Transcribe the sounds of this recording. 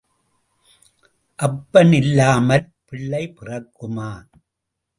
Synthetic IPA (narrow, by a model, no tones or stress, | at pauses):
ʔɐpːɐnɪlːaːmɐl | pɪɭːɐɪpɪrɐkːɯmaː